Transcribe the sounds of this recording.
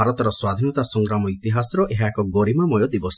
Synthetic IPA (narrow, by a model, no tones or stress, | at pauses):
aɾɔt̪ɔɾɔswad̪ʱinɔt̪asɔŋɡɾamɔit̪iɦasɔɾɔʔeɦaekɔɡoɾimamɔjod̪ibɔs